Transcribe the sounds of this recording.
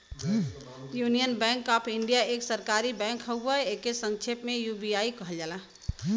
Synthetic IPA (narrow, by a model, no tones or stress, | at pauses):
junijənbɛ̃ŋkapʰiɳɖijaeksəɾkaɾibɛ̃ŋkɦəəekesə̃ŋt͡ʃʰepmejubiaikəɦəld͡ʒala